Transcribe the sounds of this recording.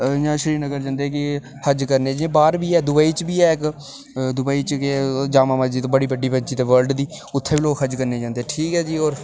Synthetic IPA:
jãːʃɾiːnəɡəɾd͡ʒãːnd̪eɛːkɪ | həd͡ʒkəɾneːd͡ʒẽːbaːɾbiːɛːd̪ʊbaːiːt͡ʃbiːɛːɪk | d̪ʊbaːiːt͡ʃked͡ʒaːmaːmad͡ʒiːt̪õːbəɽiːbəɖiːbəd͡ʒiːt̪eːʋəɾɖd̪iː | ʊt̪ʰːeːʋiloːkɦəd͡ʒkəɾneːd͡ʒãːnd̪eɛːʈʰiːkɦɛːd͡ʒiːoːɾ

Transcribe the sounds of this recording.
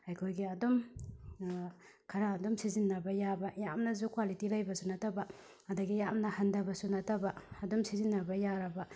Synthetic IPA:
hajkʰojɡiɐdom | kʰɐɾaːdomsizinːɐbɐjabɐjamnɐzukwalitilajbɐsunɐtɐbɐ | ɐdɐɡijamnɐhɐndɐbɐsunɐtɐbɐɐdɔmsizinːɐbɐjaɾɐbɐ

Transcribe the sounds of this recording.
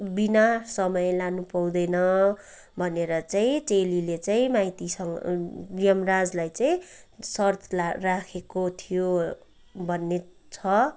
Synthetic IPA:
binasʌmʌjlanupaw̃d̪ʌjnʌ | bʱʌneɾʌt͡saĩʈelilet͡saĩmajt̪isʌŋrijʌmrad͡zlajt͡saĩsʌrt̪larakʰekot̪ʰijo | bʱʌnːet͡sʰʌ

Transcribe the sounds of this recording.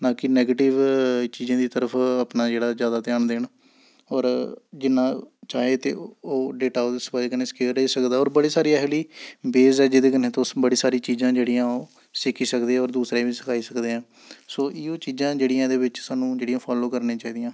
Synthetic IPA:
nãːkɪnɛːɡeːʈɪʋt͡ʃiːzãːd̪iːt̪əɾəpʰəpnaːd͡ʒeːɽaːzjaːd̪aːt̪jaːɳd̪eːɳ | ɔːɾd͡ʒɪnːãːt͡ʃaːeːt̪ḛːoːɖeːʈaːʊsəpad͡ʒkəneːskeːɾəɦiːsəkd̪aːɔːɾbəɽiːsaːɾiːɛɦliːbeːzɛːd͡ʒeːd̪eːkɪneːt̪õːbəɽiːsaːɾiːt͡ʃiːzãːd͡ʒeːɽijãːoː | sɪkʰiːsəkd̪ẽːɔːɾd̪uːsɾaːibiːsə̥kʰaːiːsəkd̪eːãː | soːʔiːoːt͡ʃiːzãːd͡ʒeːɽijãːd̪eːʋɪt͡ʃsaːnũːd͡ʒeːɽijãːpʰaːloːkəɾnẽːt͡ʃaːiːd̪ijãː

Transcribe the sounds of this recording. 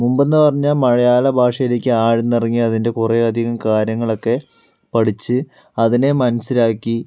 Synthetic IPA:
mumbe̞nːɨpɐrɐɲːaːlmɐɻɐjaːlɐbʱaːʂɐjile̞ːkʲːɨaːɻenːirɐŋːiɐðinde̞kureɐd̪ʱiɣɐmkaːɾjɐŋːɐɭo̞kːe̞ | pɐɽit͡ɕːɨ | ɐðine̞mɐnɐsiɾaːkːi

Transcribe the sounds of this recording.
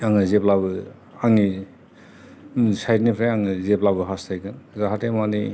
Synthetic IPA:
aŋɯzeplabɯ | aŋi | sajtnipʰɾajaŋɯzeplabɯɦastʰajkɯnzaɦatemanḭ

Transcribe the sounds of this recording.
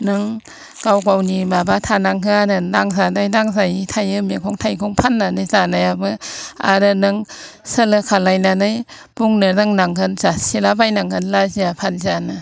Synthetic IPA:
nɯŋ | ɡ̥awɡawnimabatʰanaŋɦɯaɾɯnaŋzanajnaŋzajitʰajɯmekʰɔŋtʰajkʰɔŋpʰanːanɯjzanajabɯa̰ɾɯnɯŋ | sɯlɯkʰalajnanɯj | b̥uŋnɯnɯŋnaŋkɯnzasilabajnaŋhʰɯnlaziapʰanzanɯ

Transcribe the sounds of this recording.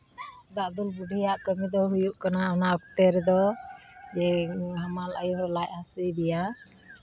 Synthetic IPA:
d̪aʔd̪ulbuɖʱijaʔkəmid̪ɔɦujuʔkanaɔnaɔk̚t̪ɛɾɛd̪ɔ | d͡ʒɛɦamalʔa̰juhɾɔlaʔɦasujd̪ija

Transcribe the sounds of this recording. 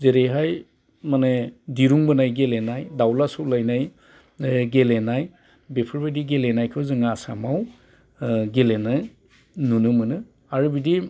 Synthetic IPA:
zeɾeɦaj | manediɾuŋbɯnajɡelenajdawlasuwlajnaj | ɡelenaj | bepʰɯɾbadiɡelenajkʰɯwzɯŋaːsa̰maw | ɡelena | nunɯmɯnɯ | aɾɯbidi

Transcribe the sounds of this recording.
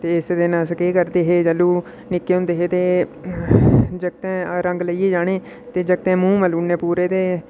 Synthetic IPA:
t̪eːɪsd̪eːnãːskeːkəɾd̪eːɦeːd͡ʒəluː | nɪkːeːɦʊ̃nd̪eːɦeːt̪eː | d͡ʒəɡ̚t̪ɛ̃ːɾə̃ŋɡləieːd͡ʒaːɽ̃eː | t̪eːd͡ʒəɡt̪ɛ̃ːmũːməluːneːpuːɾeːt̪eː

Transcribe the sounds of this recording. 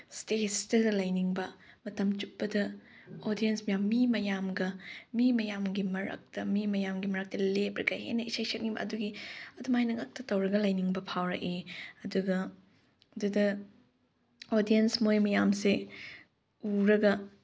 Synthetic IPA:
stestɐdlɐjniŋbɐmɐtɐmt͡ʃup̚bɐdɐ | odijensmɐjamːimɐjamɡɐmimɐjamɡimɐɾɐ̰k̚tɐmimɐjamɡimɐɾɐk̚tɐlep̚ɾɐ̰ɡɐhḛjnɐisajsɐt̚niŋbɐ̰ɐ̰duɡiɐdumajnɐŋɐk̚tɐtɐwɾɐɡɐlɐjniŋbɐpʰawɾɐkeɐduɡɐ | ɐdudɐ | odijensmojmɐjamse | uɾɐɡɐ

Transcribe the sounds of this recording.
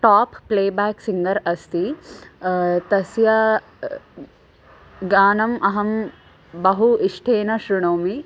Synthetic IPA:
ʈaːpːleːbaːksiŋɡɐɾɐst̪i | t̪ɐsjɐ | ɡaːnɐmʔɐɦɐm | bɐɦuʔiʂʈʰeːnɐʃɾuɳoːmi

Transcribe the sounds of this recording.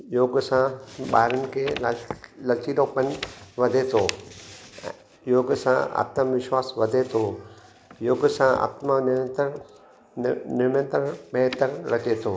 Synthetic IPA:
joːɡsãɓa̰ːɾənɪ̆kʰeː | lɐt͡ʃiloːpən̆ʋɐd̪ʱet̪ʰõː | joːɡsã̰a̰ːt̪maʋɪʃwaːsʋɐd̪ʱet̪ʰo | joːɡsãa̰ːt̪manɪə̃nt̪ | nɪɾmə̃nt̪ɾənbʱɛɦt̪əɾɾɐt͡ɕet̪ʰoː

